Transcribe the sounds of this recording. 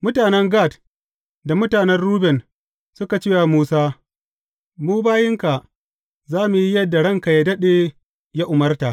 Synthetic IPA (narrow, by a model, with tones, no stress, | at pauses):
mʊ˦taː˨nɛ˦ŋɡaː˦˨t | da˨mʊ˦taː˨nɛ˦rruː˦bɛ˨n | sʊ˦ka˨t͡ʃeː˦˨wa˨muː˦saː˦ | muː˦baː˦jɪ˦ŋka˨ʔ | zaː˦mu˨ji˦jɐ˦dːa˨ɽɐ˦ŋka˨ja˦dɐ˦ɗeː˨ | ja˦ʔʊ˨mɐ˦rta˨ʔ